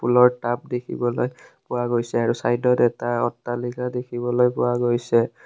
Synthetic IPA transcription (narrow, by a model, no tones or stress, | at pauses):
pʰulɔɹtap̚dekʰḭbɔlo̰jpʊwaɡojsɛaɹusajdɔtɛtaɔtːalikʰadekʰibɔlojpʊwaɡojsɛ